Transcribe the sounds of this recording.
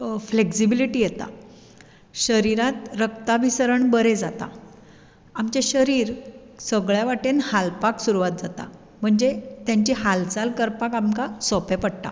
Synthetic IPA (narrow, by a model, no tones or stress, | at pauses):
fleksibiliʈiːjet̪a̰ | ɕəɾiɾat̪ɾək̚t̪abʱisəɾəɳbəɾed͡zat̪a̰ | amt͡ɕeɕəɾiːɾ | səɡɭjaʋaʈenhalpaksuɾuʋat̪̚d͡zat̪a̰ | m̤əɳd͡zet̪jãɲt͡ɕiɦalt͡salkəɾpakamkasɔpepəɽʈ̪a̰